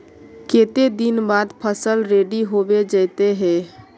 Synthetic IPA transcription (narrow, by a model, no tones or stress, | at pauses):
keːt̪ed̪inbaːd̪pʰəsəlɾeːɖiɦobed͡ʒəɪt̪eɦɛː